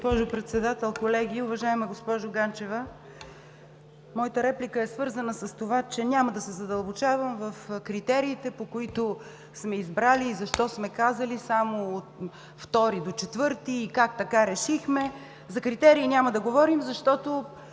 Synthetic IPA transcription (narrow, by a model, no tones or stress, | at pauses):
ospɔʒʊpɾɛt̪sɛd̪at̪ɛlˠkolɛɡʲiʊvɐʒaɛmɐɡospɔʒʊɡant͡ʃɛvə | mɔjit̪əɾɛplikəɛsvɤɾzɐnəsəst̪ovat͡ʃɛnʲaməd̪ɐsɛzɐd̪ɐlˠbot͡ʃavəmvɐfkɾit̪ɛɾiːt̪ɛpokoit̪ʊ | smɛizbɾaliːzɐʃt̪ɔsmɛkazɐlisamoːt̪ | ft̪ɔɾid̪ot͡ʃɛt̪vɤɾt̪iːkakt̪ɐkaɾɛʃixmɛ | zɐkɾit̪ɛɾiːnʲamɐd̪ɐɡovɔɾimzɐʃt̪ɔt̪o